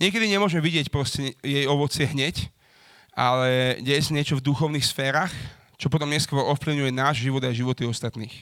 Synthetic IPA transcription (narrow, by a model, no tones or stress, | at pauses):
ɲɪɛkɛd̪iɲɛmʊɔʒmɛʋiɟɪɛcpɾɔscɛjɛjɔʋɔt͡sɪɛɦɲɛc | ʔa̰lɛɟɛjɛsaɲɪɛt͡ʃɔvd̪uxɔʊniːxsfɛːɾax | t͡ʃɔp̬ɔt̪̬ɔmɲɛskɔɾɔɔfpliʊɲujɛnaːʒʒiʋɔd̪ajʒiʋɔt̪iɔst̪at̪niːx